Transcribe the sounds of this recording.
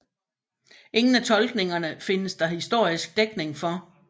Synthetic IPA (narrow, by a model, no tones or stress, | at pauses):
ʔe̝ŋn̩æt͡sʰɒ̽lɡ̥ne̝ŋɐnəfe̝nəsd̥ɑ̈hisd̥o̝ɐ̰isɡ̥̚d̥eɡ̥ne̝ŋfɒ̽